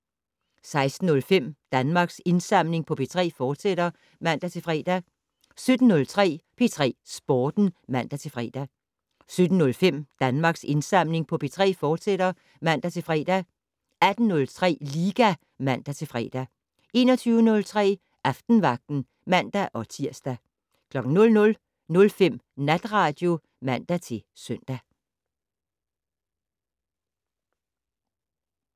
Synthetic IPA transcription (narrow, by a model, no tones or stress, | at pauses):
sɑ̈ɪsd̥n̩ɔ̽lfem̰d̥ænmɑ̈ɡ̥se̝nsɑ̈m̰le̝ŋpʰɒ̽pʰe̝t͡sʰʁɛ̰ːfɒːd̥seɾ̥ɐ | mæn̰d̥æt͡sʰe̝lfʁɛ̰ːd̥æ | sød̥n̩ːɔ̽lt͡sʰʁɛ̰ːpʰe̝t͡sʰʁɛ̰ːsb̥ɒːd̥n̩mæn̰d̥æt͡sʰe̝fʁɛ̰ːd̥æ | sød̥n̩ːɔ̽lfem̰d̥ænmɑ̈ːɡ̥se̝nsɑ̈m̰le̝ŋpʰɒ̽pʰe̝t͡sʰʁɛ̰ːfɒːd̥sedɾɐ | mæn̰d̥æt͡sʰe̝fʁɛ̰ːd̥æ | æd̥n̩nɔ̽lt͡sʰʁɛ̰ːliːɡ̥æ | mæn̰d̥æt͡sʰe̝lfʁɛ̰ːd̥æ | e̝ːnɒt͡sʰyːʊənɔ̽lt͡sʰʁɛ̰ː | ʔɑfd̥n̩ʋɑ̈ɡ̥̚d̥n̩ | mæn̰d̥æʔɒ̽t͡sʰiɐ̰sd̥æ | kʰlɒ̽ɡ̥n̩nɔ̽lnɔ̽l | nɔ̽lfem̰næd̥ʁɑ̈ːd̥jo̝ | mæn̰d̥æt͡sʰe̝sœn̰d̥æ